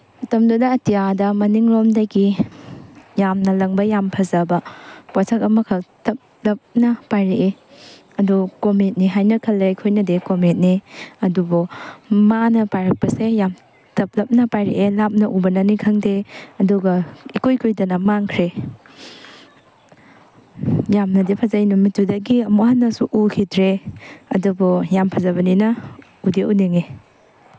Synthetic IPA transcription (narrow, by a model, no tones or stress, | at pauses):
mɐtɐmdudɐɐtijadɐmɐniŋɾomdɐɡi | jamnɐlɐŋbɐjampʰɐzɐbɐpwatʰɐkɐmɐkʰɐtɐp̚lɐp̚nɐpajɾeʔe | ɐdukomet̚niɦajnɐkʰɐlːekʰojnɐdekomet̚niɐdubomanɐpajɾɐk̚pɐsejam | tɐp̚lɐp̚nɐpajɾḛʔelap̚nɐʔubɐnɐnikʰɐŋdeɐduɡɐikojkʰojdɐnɐmaŋkʰɾe | jamnɐdipʰɐzajnumitːudɐɡiɐmuhanːɐsuʔukʰidɾeɐdubɔjampʰɐzɐβɐninɐ | udeuniŋe